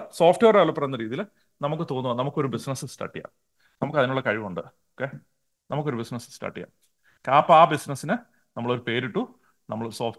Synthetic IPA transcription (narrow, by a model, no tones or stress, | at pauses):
soːfʈeːɐɾaːɭupːɐrɐnːɐɾiːðijil | nɐmukːɨt̪o̞ːnːuʋɐnːnɐmukːo̞ɾubisnɐsɨsʈa̰ːʈːija̰ːm | nɐmukːɐðinuɭːɐkɐɻiʋmuɳɖɨ | okːeː | nɐmukːo̞ɾubisnɐsɨ̥sʈa̰ːʈːija̰ːm | kɐpːɐaːbisnɐsːinɨ | nɐmːɐɭo̞ɾupe̞ːɾiʈːu | nɐmːɐɭsoːf